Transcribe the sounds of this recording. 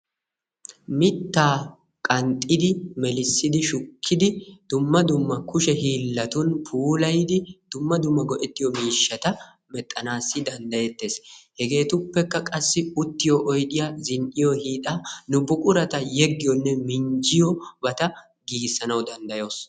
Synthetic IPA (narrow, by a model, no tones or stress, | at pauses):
mɪt̪ːaː | kʼɐnt̪ʼːɪd̪ɪmɛlɪsːɪd̪ɪʃʊkʰːɪd̪ɪd̪̥ʊmːɐd̪ʊmːɐkʊʃɛhiːlːɐt̪ʊnpʰuːlɐjd̪ɪd̪̥ʊmːɐd̪ʊmːɐɡɔʔɛt̪ːɪjɔmiːʃːɐt̪ɐ | mɛt̪ʼːɐnaːsːɪd̪ɐnd̪ɐjɛt̪ːe̞ːshɛɡe̞ːt̪ʊpːɛkːɐkʼɐsːɪʊt̪ːɪjɔʔɔjd̪ɪjazɪnʔɪjɔhiːt̪ʼanʊbʊkʼʊɾɐt̪ɐjɛɡːɪjɔnːɛmɪɲd͡ʒɪjɔbɐt̪ɐ | ɡiːɡsːɐnɐwd̪ɐnd̪ɐjo̞ːs